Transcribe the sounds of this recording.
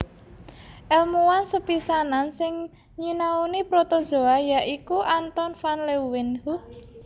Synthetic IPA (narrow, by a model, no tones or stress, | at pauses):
ʔɛlmuwansəpisanansɪŋ | ɲinaunipɾot̪ɔd̥ʒ̥o̤ajaʔikuʔant̪ɔnfanlewɪnhu